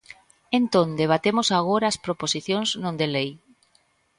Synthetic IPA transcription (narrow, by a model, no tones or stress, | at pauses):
ẽnt̪õnd̪eβ̞at̪emosaɣ̞oɾaːspɾoposiθjõŋznõnd̪elej